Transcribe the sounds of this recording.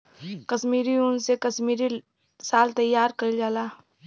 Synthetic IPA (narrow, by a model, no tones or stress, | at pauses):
kɐʃmiːɾiʊnsekɐʃmiːɾi | saːlt̪ɐjːaːɾkɐid͡ʒaːlaː